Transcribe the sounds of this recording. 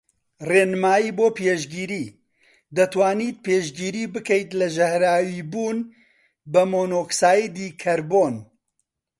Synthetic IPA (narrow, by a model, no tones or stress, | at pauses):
reːnɨmaːjiːboːpeːʒɡiːɾiː | d̪ɐt̪waːniːt̪̚peːʒɡiːɾiːbɨkɛjt̪lɐʒɐhɾaːwiːbuːn | bɐmoːnoːksaːjid̪iːkʰɐɾboːn